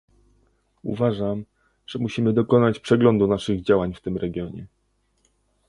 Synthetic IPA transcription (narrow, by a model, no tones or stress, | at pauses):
ṵvaʐam | ʐ̥ɛmuɕimɘd̪ɔkɔnat͡ɕpʂɛɡlɔnd̪unaʂɘɣd͡ʑawaɲft̪ɘmɾɛɡʲjɔɲɛ̰